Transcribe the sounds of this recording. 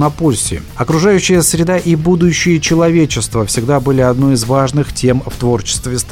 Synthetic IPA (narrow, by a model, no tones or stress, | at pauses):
nɐpolʲsʲɪ̰ | ɐkɾʊʐajʉɕːɪjəsɾʲɪd̪aʔibud̪ʊɕːɪjət͡ɕɪlˠɐvʲet͡ɕɪst̪vəfsʲɪɡd̪abɨlʲɪɐd̪noɪzvaʐnɨxtʲʰe̞mft̪vo̞rt͡ɕɪ̥st̪vʲɪst̪